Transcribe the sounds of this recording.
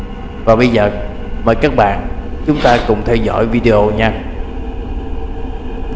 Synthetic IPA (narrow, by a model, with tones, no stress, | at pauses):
vaː˨˩ɓə˧jzəː˨˩ | məː˧˨˩jkaː˦˥k̚ɓa̰ː˧˨nt͡ɕʊ˨˦ŋ͡mt̪aː˧kʊ˨˧˩ŋ͡mt̪ʰɛ˧wzɔ̰˧˥˨jvi˧ɗe˧ʔo˧ɲaː˧